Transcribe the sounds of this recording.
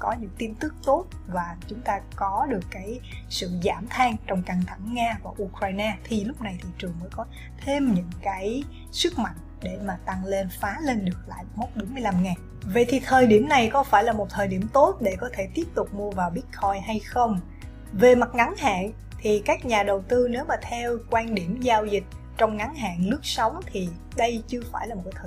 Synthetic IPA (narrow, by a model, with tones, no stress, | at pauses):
kɔ˨˦ɲɨ̰˧˥ŋt̪i˧nt̪ɨ˦˥k̚t̪o˦˥t̚vaː˨˩t͡ɕʊ˨˦ŋ͡mt̪aː˧kɔ˨˦ɗɨ˨˩əkːaː˨˦jsɨ̰˧˨zaː˧˩mt̪ʰaː˧ŋt͡ɕɔ˧wŋ͡mka˧˩ŋt̪ʰa˧˩ŋːaː˧vaː˨˩ʔu˧kɹaː˧jnaː˧t̪ʰi˨˩lʊ˦˥k͡p̚na˨˩jt̪ʰi˨˩t͡ɕɨ˨˩əŋməː˨˦jkɔ˨˦ | t̪ʰe˧mɲɨ̰˧˥ŋkaː˨˦j | sɨ˦˥k̚ma̰˧˨jŋ̟ɗe˧˩maː˨˩t̪a˧ŋle˧nfaː˨˦le˧nɗɨ˨˩ək̚la̰ː˧˨jmo˦˥t̚ɓo˨˦nmɨ˧əjla˧mŋaː˨˩ŋ | və̰˧˨jt̪ʰi˨˩t̪ʰəː˨˩jɗi˧˩əmna˨˩jkɔ˨˦faː˧˩jlaː˨˩mo˨˩t̚t̪ʰəː˨˩jɗi˧˩əmt̪o˦˥t̚ɗe˧˩kɔ˨˦t̪ʰe˧˩t̪i˦˥əp̚t̪ʊ˨˩k͡p̚mu˧əvaː˨˩wɓi˦˥ət̚xɔ˧jɦa˧jxə˧wŋ͡m | ve˨˩ma˨˩t̚ŋa˨˦ŋha̰ː˧˨n | t̪ʰi˨˩kaː˦˥k̚ɲaː˨˩ɗə˨˩wt̪ɨ˧ne˨˦wmaː˨˩t̪ʰɛ˧wkwaː˧nɗi˧˩əmzaː˧wzï˨˩k̟̚ | t͡ɕɔ˧wŋ͡mŋa˨˦ŋɦa̰ː˧˨nnɨ˦˥ək̚sə˨˦wŋ͡mt̪ʰi˨˩ | ɗə˧jt͡ɕɨ˧əfaː˧˩jlaː˨˩mo˨˩kːa˨˦tʰː